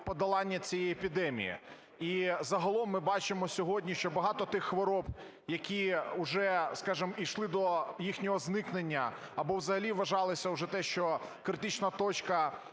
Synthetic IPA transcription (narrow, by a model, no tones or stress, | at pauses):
pɔd̪ɐlˠɑnʲːɐt͡sʲijɛjepʲid̪ɛmʲḭjḭ | izɐɦɐlˠɔmːɪbɑt͡ʃɪmɔsʲɔɦɔdʲnʲiʃt͡ʃɔbɐɦɑt̪ɔt̪ɪxːʋɔɾɔb | jɐkʲiʊʒɛskɑʒɨmijʃlˠɪd̪ɔjixnʲɔɦɔznɪknenʲːɐ | ɐbɔwzɐɦɐlʲiʋɐʒɑlˠɪsʲɐʊʒɛt̪ɛʃt͡ʃɔkɾɪt̪ɪt͡ʃnɐt̪ɔt͡ʃkɐ